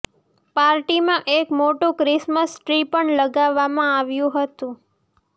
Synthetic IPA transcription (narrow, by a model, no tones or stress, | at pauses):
paɾʈimãʔekmoʈũkɾɪsməsʈɾipəɳləɡaʋːamãaʋjũɦət̪ũ